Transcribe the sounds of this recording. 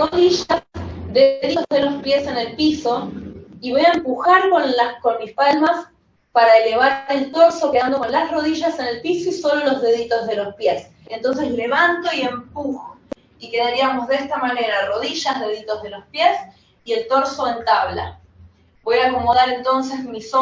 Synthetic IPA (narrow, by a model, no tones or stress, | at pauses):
roðiʒad̪eðit̪ozðe̞lo̞spje̞se̞ne̞lpiso̞iβo̞jaempuxaɾko̞nlako̞nmispalmas | paɾaele̞β̞aɾelt̪o̞ɾso̞keðand̪okonlasro̞ð̞iʒase̞ne̞lpiso̞iso̞lolo̞zðe̞ðit̪o̞zð̞e̞lo̞spje̞s | ent̪o̞ns̬e̞sle̞βant̪o̞ie̞mpuxo | ike̞ðaɾiamo̞zðest̪amane̞ɾaro̞ðiʒazðe̞ðit̪o̞zðe̞lo̞spjes | ie̞lt̪o̞ɾso̞ent̪aβla̰ | bo̞jako̞mo̞ðaɾe̞nt̪o̞ns̬ezmiso